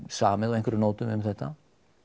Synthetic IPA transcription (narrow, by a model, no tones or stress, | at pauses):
saːmɪðɔejŋkvɛɾnoːwt̪ʏmʏmθɛht̪ːa